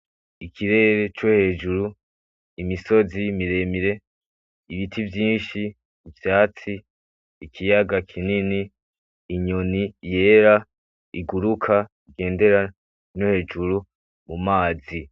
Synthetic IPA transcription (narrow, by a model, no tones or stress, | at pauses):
ikʰiɾe̞ɾe̞t͡ʃohe̞ːd͡ʒuɾu | imiso̞zimiɾe̞miɾe̞ | iβitʰivjiːnʃiː | vjaːt͡siː | kʰijaɡakʰininiː | ɲo̞nije̞ːɾa | iɡuɾukʰa | iɡe̞ːnde̞ɾa | nohe̞ːd͡ʒuɾu | mumaːzi